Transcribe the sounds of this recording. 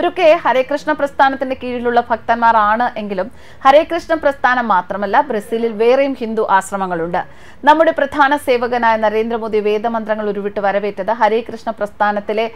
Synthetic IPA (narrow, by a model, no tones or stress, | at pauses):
oɾokːehɐɾeːkrɨʂɳɐprɐst̪ʰaːnɐt̪ːinde̞kiːɻiluɭːɐbʱɐk̚t̪ɐnmaːraːɳɨʔe̞ŋɡilum | hɐɾeːkrɨʂɳɐprɐst̪ʰaːnɐmːaːt̪rɐmɐlːɐbɾɐsiːlilʋe̞ːrejumhind̪uʔaːɕrɐmɐŋːɐɭuɳɖɨ | nɐmːuɽe̞prɐd̪ʱaːnɐse̞ːʋɐɣɐnaːjnɐɾe̞ːnd̪ɾɐmo̞ːd̪iʋe̞ːd̪ɐmɐnd̪rɐŋːɐɭoɾuʋiʈːɨʋɐɾɐʋe̞ːʈːɐðɨɦɐɾeːkrɨʂɳɐprɐst̪ʰaːnɐt̪ːile̞